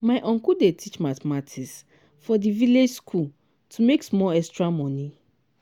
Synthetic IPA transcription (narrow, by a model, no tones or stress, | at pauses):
maɪʔɔ̃ŋkudetʰit͡ʃmatmatʰis | fɔdiviled͡ʒskʰul | tʰumeksmɔɛstɹamɔ̃ni